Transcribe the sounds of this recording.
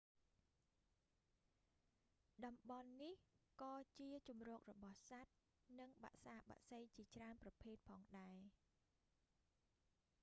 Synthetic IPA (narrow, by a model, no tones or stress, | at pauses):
ɗɑmɓɑnːihkɑːt͡ɕiət͡ɕumrɔːk̚rɔɓɑhsat̪̚ | nɨŋɓa̰ʔsaːɓa̰ʔsəjt͡ɕiət͡ɕraənprɑpʰeːt̪̚pʰɑːŋɗaɛ